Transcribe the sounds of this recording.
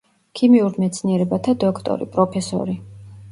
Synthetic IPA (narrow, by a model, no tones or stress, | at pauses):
kʰimiuɾmɛt̪sʰniɛɾɛbat̪ʰad̪ɔkʰt̪ʼɔ̰ɾḭpʼɾɔpʰɛsɔ̰ɾi